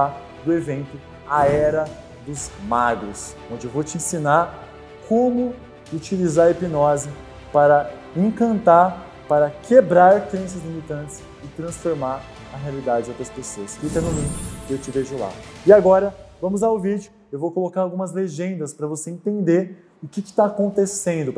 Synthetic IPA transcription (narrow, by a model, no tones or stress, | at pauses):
a | d̪ʊevẽnt̪ʊ | aɛɾɐ | d̪ʊzmaɡɾʊs | õnd͡ʒɪewvot͡ʃɪẽsĩnaɾ | kʰõmʊ | ut͡ʃilizaɾepinɔzɪ | paɾɐ | ẽkɐ̃nt̪aɾ | paɾɐkʰebɾaɾkɾẽsɐzlimit̪ɐ̃nt͡ʃɪs | ɪt̪ɾɐ̃sfoɾmaɾ | ɐɦealid̪ad͡ʒɪd͡ʒowt̪ɾɐspesoɐsfikɐnʊlĩkʊkɪewt͡ʃɪveʒʊla̰ɪaɡɔɾɐvɐ̃mʊzlaʊvid͡ʒjʊ | ewvowkolokaɾawɡũmɐzleʒẽnd̪ɐspɾɐvoseẽnt̪ẽnd̪eɾ | ʊkɪkɪ̥t̪aːkõnt̪esẽnd̪ʊ